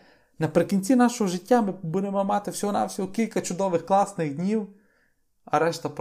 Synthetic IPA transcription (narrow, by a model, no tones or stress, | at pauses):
nɐpɾɪkʲinʲt̪sʲinaʃɔɦɔʒɪtʲːamɪbud̪ɪmɔmat̪ɪfsʲɦɔna̰fsʲiɔkʲilʲkɐt͡ʃʊd̪ɔʋɪxklˠasnɪɣd̪nʲiw | ɐ̰ɾɛʃt̪ɐp